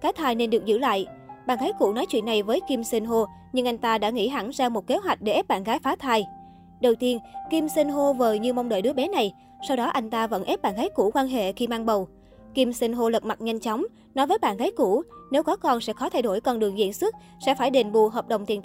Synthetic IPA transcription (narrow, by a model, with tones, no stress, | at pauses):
ɣaː˨˦jt̪ʰaː˧jne˧nɗɨ˨˩ək̚zɨ̰˧˩˨la̰ː˧˨jʔɓaː˧˨nɣaː˨˦jkṵ˧˩nɔ˨˦jt͡ɕwḭ˧ənːa˨˩jvəː˨˦jki˧msi˧nɦo˧ | ɲɨ˧ŋʔa˧jŋ̟t̪aː˧ɗa̰ː˧˥ŋḭ˧˥ɦa̰˧˩nzaː˧mo˨˩t̚ke˨˦ɦwa˨˩jk̟̚ɗe˧˩ʔɛ˦˥p̚ɓa̰ː˧˨nɣaː˨˦jfaː˨˦t̪ʰaː˧j | ɗə˨˩wt̪i˧ənki˧msi˧nɦo˧vəː˨˩ɲɨ˧ma˧wŋ͡mɗə̰ː˧˨jɗɨ˨˦əɓɛ˨˦na˨˩j | sa˧wɗɔ˨˦ʔa˧jŋ̟t̪aː˧və̰˧˥nʔɛ˦˥p̚ɓa̰ː˧˨nɣaː˨˦jku˧˩kwaː˧nɦḛ˧˨xi˧maː˧ŋɓə˨˩w | ki˧msi˧nɦo˧lə˨˩t̚ma˨˩t̚ɲa˧jŋ̟t͡ɕɔ˨˦wŋ͡m | nɔ˨˦jvəː˨˦jɓa̰ː˧˨nɣaː˨˦jku˧˩ne˨˦wkɔ˨˦kɔ˨˩nsɛ̰˧˥xɔ˨˦t̪ʰa˧jɗo˧˩jkɔ˧nɗɨ˨˩əŋzḭ˧˥ənswɨ˦˥t̚ | sɛ̰˧˥faː˧˩jɗe˨˩nɓṵ˧˨ɦəː˨˩p̚ɗə̰˨˩wŋ͡mt̪i˨˩ət̪